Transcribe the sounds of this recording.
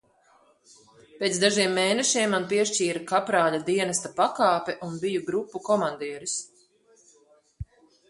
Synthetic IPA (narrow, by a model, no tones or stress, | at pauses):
peːt̪zd̪aʒiɛmːeːnɛʃiɛmːanpiɛʃt͡ʃiːɾakapɾaːlad̪iɛnɐst̪apakaːpɛʔunbijuɡɾupːukɔmand̪iːɛɾis